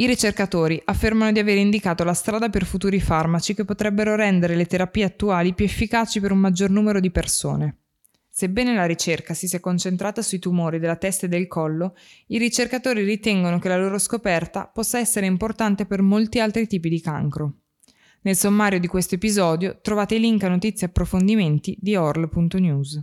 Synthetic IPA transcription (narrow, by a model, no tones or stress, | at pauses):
iɾit͡ʃerkat̪oːɾiʔafːermanod̪iaveːɾeind̪ikaːt̪olast̪ɾaːd̪aperfut̪uːɾifarmat͡ʃikepːot̪ɾɛbːeɾoɾɛnd̪eɾelet̪eɾapiːeat̪ːuaːlipjuefːikaːt͡ʃipeɾummad͡ʒːornuːmeɾod̪iperso̰ːne | sebːɛːnelaɾit͡ʃerkasisiɛkːont͡ʃent̪ɾaːt̪asuit̪umoːɾid̪elat̪ɛst̪aed̪ːelkʰɔlːoiɾit͡ʃerkat̪oːɾirit̪ɛŋɡonokelaloːɾoskopɛrt̪a̰pɔsːaɛsːeɾeimport̪ant̪epermolt̪ialt̪ɾit̪iːp̬id̪ika̰ŋkɾo | nelsomːaːɾjod̪ikwest̪oepizɔːd̪jot̪ɾovaːt̪eliŋkanot̪it̪sːjeapːɾofond̪iment̪id̪iɔrlpunt̪onjuz